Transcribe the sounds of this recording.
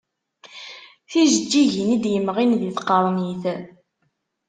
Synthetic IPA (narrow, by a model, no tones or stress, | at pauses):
θizəd͡ʒːiʝinid̪jəmːʁinðiθqɑɾˤniθ